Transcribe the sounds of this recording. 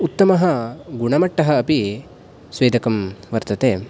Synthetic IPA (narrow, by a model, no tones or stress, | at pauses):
ut̪ːɐmɐɦɐ̆ɡuɳɐmɐʈːɐɦɐ̆ːpi | sʋeːd̪ɐkɐmʋɐɾt̪ɐt̪eː